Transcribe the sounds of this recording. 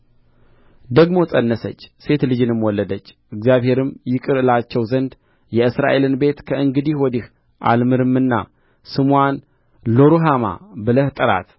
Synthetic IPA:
d̪əɡmo̞sʼənːəsə̰t͡ʃːse̞t̪lɨd͡ʒɨnɨmwɔlːəd̪ət͡ʃːʔɨɡzijaβhe̞ɾɨmjɪkʼɨɾɨlat͡ʃːɛwzənd̪ | jɛɨsɾa̰ʔe̞lɨnbe̞t̪kʰəʔɨŋɡɨd̪ihwɔd̪ih | ʔa̰lmɨɾɨmːɨnːa̰ | sɨman | lo̞ɾuɦama̰bɨləht̪ʼɨɾa̰t̪

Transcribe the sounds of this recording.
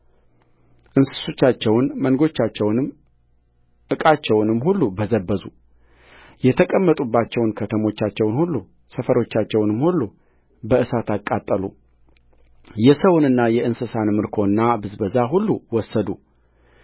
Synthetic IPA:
ʔɨnsɨ̥so̞t͡ʃːat͡ʃːɛwnmənɡo̞t͡ʃːat͡ʃːɛwnɨm | ʔɨkʼat͡ʃːɛwnɨmːɦulːubəzəbːəzu | jɛt̪ʰəkʼəmːət̪ʼubːat͡ʃːɛwnkʰət̪ʰəmo̞t͡ʃːat͡ʃːɛwnhulːu | səfəɾo̞t͡ʃːat͡ʃːɛwnɨmːhulːu | bəʔɨsat̪akʼːat̪ʼːəlṵ | jɛsəwnɨnːajɛʔɨnsɨsanmɨɾkʰo̞ɨnːabɨzbəzaɦulːuwɔsːəd̪u

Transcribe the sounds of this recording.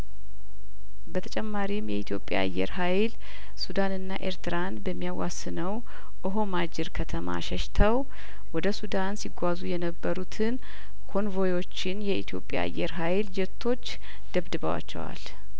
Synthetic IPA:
bət̪ʰət͡ʃʼɛmːaɾimjɛit̪ʰjo̞pʼːja̰a̰jːɛ̰ɾɦajl | sud̪anɨnːaʔeɾt̪ʰɨɾanbəmːijawasːɨnəw | ʔɨɦo̞mad͡ʒɪɾkʰət̪ʰəma̰ʃɛʃt̪ʰəw | wɔd̪əsud̪ansiɡʷazujɛnəbːəɾut̪ʰɨn | kʰo̞nvo̞jo̞t͡ʃːɪnjɛit̪ʰijo̞pʼːja̰ːjːɛɾɦajld͡ʒɛt̪ʰːo̞t͡ʃː | d̪̥əβd̪ɨβəwa̰t͡ʃːɛ̰wa̰l

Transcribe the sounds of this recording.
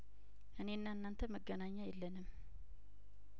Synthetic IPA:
ʔɨne̞nːanːant̪ʰəməɡːənaɲːajɛlːənɨm

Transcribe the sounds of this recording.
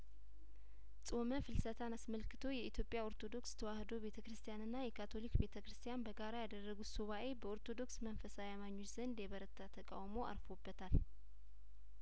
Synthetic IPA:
sʼo̞məfɨlsət̪ʰanasməlkʰɨ̥t̪ʰo̞jɛit̪ʰjo̞pʼːjao̞ɾt̪ʰo̞d̪o̞kst̪ʰəwahd̪o̞be̞t̪ʰəkɾɨst̪ʰjanɨnːajɛkʰat̪ʰo̞likbe̞t̪ʰəkɾɨst̪ʰijanbəɡaɾajad̪ərːəɡusuβaʔe̞bəoɾt̪ʰo̞d̪o̞ksmənfəsajamaɲːo̞t͡ʃz̥ənd̪eβəɾət̪ʰːat̪ʰəkʼa̰wmo̞a̰ɾfo̞bːət̪ʰal

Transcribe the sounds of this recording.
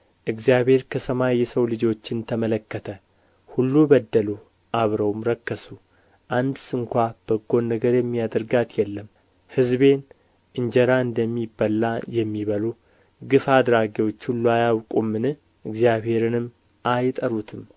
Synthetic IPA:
ʔɨɡzijaβhe̞ɾkʰəsəmajːɛsəwlɨd͡ʒo̞t͡ʃːɪnt̪ʰəmələkːət̪ʰə | hulːubəd̪ːəlu | ʔaβɾəwmɾəkːəsu | ʔand̪sɨŋkʷab̥əɡo̞nːəɡəɾjɛmːiad̪əɾɡat̪jɛlːəm | hɨzbe̞n | ʔɨɲd͡ʒɛɾaɨnd̪əmːibːəlajɛmːiβəlu | ɡɨfad̪ɾaɡiwo̞t͡ʃːhulːuajawkʼumːɨnɨ | ʔɨɡzijaβhe̞ɾɨnɨmː | ʔajt̪ʼəɾut̪ʰɨm

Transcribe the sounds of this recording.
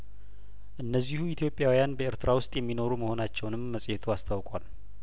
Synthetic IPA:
ʔɨnːəzːihuit̪ʰjo̞pʼːjawijanbəɪɾt̪ʰɨɾawʊst̪ʼjɛmːino̞ɾuməho̞nat͡ʃːɛwnɨmːəsʼjɛt̪ʰuast̪ʰawkʼal

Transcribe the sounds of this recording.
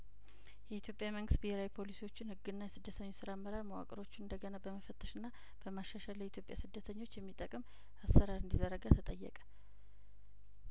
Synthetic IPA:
jɛit̪ʰjo̞pʼjaməŋɡɨst̪biheɾawjpʰo̞lisiwo̞t͡ʃːɪnhɨɡːɨnːajɛsɨd̪ːət̪ʰəɲːosɨɾamːəɾaɾməwa̰kʼəɾo̞t͡ʃːɪnɨnd̪əɡənabəməfət̪ʰːə̥ʃɨnːa | b̥əmaʃːaʃaljɛit̪jo̞pʼja̰sɨd̪ːət̪ʰəɲːo̞t͡ʃːjɛmːit̪ʼəkʼɨm | asːəɾaɾɨnd̪izəɾəɡat̪ʰət̪ʼəjːɛ̰kʼə̥

